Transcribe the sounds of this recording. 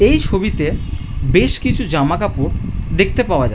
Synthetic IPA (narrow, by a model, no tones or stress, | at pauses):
ejt͡ɕʰobit̪e | beʃkit͡ɕʰud͡ʑamakapoɾd̪ek̚ʰt̪epaoad͡ʑa